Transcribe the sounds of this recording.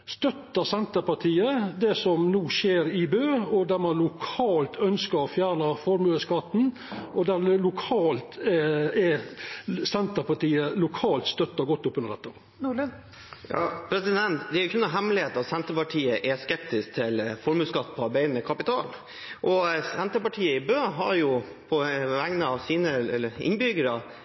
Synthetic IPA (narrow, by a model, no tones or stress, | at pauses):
st̪œt̪ːəsɛnt̪əpɑʈʰiːəd̪ɛsɔmnuːʃeːɾɪbøːɔd̪æɾmɑnlʊkʰɑːlt̪ʰœnskəɾfjæːɳəfɔɾmʉːəskɑt̪ːn̩ | ɔd̪æɾlʊkʰɑːlt̪ɛ | sɛnt̪əɾpɑʈiːəlʊkʰɑːlt̪st̪œt̪ːəɡɔt̪ːʊpːʉnəɾd̪ɛt̪ːə | jɑpʰɾɛsɪd̪ɛnt̪d̪ɛæɾjʊkʰʉnːɑɦɛmlɪheːt̪ɑt̪sɛnt̪əpɑʈʰiːəʔɛskɛpt̪ɪsk̚t̪ʰɪlfɔɾmʉːskɑt̪ːpʰɔɑɾbæɪənəkʰɑpɪt̪ʰɑ̰ːl | ʔɔsɛnt̪əpɑʈʰiːəɪbøːɦɑɾjʊ | pʰɔʋæŋnəɑʋsiːnəɪ̰nbʏɡəɾə